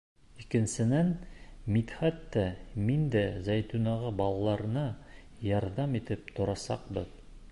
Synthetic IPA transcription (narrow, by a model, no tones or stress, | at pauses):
ikɘ̆nsɘ̆nænmit̪χæt̪ːæmind̪æzæjt̪unɑʁɑbɑlˠɑlˠɑɾɤ̆nɤ | jɑɾðɑmit̪ɘp̚t̪ʰŏɾɑsɑ̰qbɤ̰ð